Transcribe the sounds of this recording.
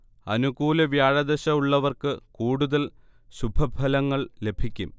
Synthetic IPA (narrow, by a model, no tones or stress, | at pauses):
ɐnuɣuːlɐʋjaːɻɐd̪ɐɕɐuɭːɐʋɐrkɨkuːɽuðɐl | ɕubʱɐbʱɐlɐŋːɐɭle̞bʱikʲːum